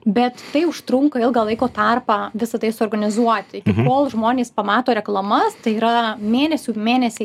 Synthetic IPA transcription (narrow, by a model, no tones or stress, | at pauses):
bʲɛt̪ːɐɪʊʃt̪ɾʊŋkɐɪlˠɡɐlˠɐɪkoːt̪ɑrpɑːʋʲɪsɐt̪ɐɪsʊoːrɡɐnʲɪzuɔt̪ʲɪkʲɪkoːlˠʒmoːnʲeːspɐmɑːt̪oːɾʲɛklˠɐmɐst̪ɐɪiːɾɐmʲeːnʲɛsʲuːmʲeːnʲɛsʲe